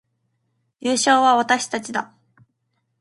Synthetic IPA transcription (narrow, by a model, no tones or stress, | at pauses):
jɨːɕo̞ːβ̞aβat̪aɕi̥t̪at͡ɕid̪a̰